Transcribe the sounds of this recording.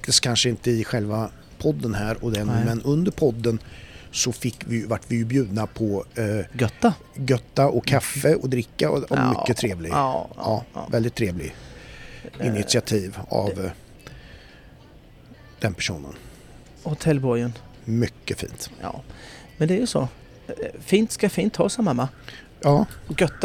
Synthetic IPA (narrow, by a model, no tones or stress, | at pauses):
ak̚t̪ɪst̪̚kʰːanʂəɪnt̪əɪɧɛlva | pʰɔd̪ːənɦæːɾɔd̪ɛnmɛnɵnd̪əɾpʰɔd̪ːənsɔfɪkːvɪjvaʈːvɪjɵbjʉ̟ːd̪napʰɔɡœt̪ːa | ɡœt̪ːaʔɔkkʰːafːəɔd̪ɾɪkːaɔ̰mmʏkːət̪ʰɾeːvlɪɡɑ̰ːvɛld̪ɪt̪ʰːɾeːvlɪ | ɪnɪt̪sɪat̪ʰiːva̰v | d̪̥ɛnpʰæʂṵːnə̰n | hʊt̪ʰɛlːbɔɾjən | mʏkːəfḭːnt̪ː | mɛnd̪ɛæɾjɵsɔ̰ | fiːnt̪skafiːnt̪hɑ̰ːsamːamːa | jɑːɡœt̪ː